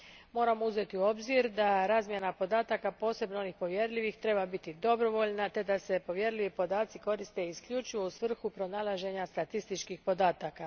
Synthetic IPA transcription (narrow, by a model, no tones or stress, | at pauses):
mo̞ːɾamouze̞t̪iuo̞bziɾd̪aɾaːzmje̞napo̞d̪aːt̪akapo̞ːse̞bnoo̞nixpo̞ʋje̞ɾʎʲiʋixt̪ɾe̞babit̪id̪o̞bɾo̞ʋo̞ʎnat̪e̞d̪ase̞po̞ʋje̞ɾʎʲiʋipo̞d̪aːt̪siko̞ɾist̪e̞iskʎʲut͡ʃujousʋr̩xupɾo̞naːlˠaʒe̞ɲast̪at̪ist̪it͡ʃkixpo̞d̪aːt̪aka